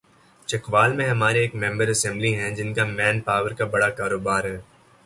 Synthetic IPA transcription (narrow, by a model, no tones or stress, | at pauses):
t͡ʃɐkʋaːlmẽɦɐmaːɾeeːkmɛ̃mbəɾɐsɛ̃mbliɦɛ̃d͡ʒɪnkamɛ̃ːnpaːʋəɾkabɐɽakaːɾoːbaːɾɦɛː